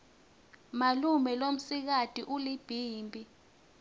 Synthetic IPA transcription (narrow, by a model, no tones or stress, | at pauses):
malumɛlom̩sik̬atʼiʔulib̥ʱiːmbʼʱi